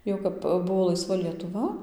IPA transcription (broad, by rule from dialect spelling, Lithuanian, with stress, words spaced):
ˈjɛʊ kɐp ˈbʊʋoː lˠɐɪˈsʋɐ lʲiɛtʊˈʋɐ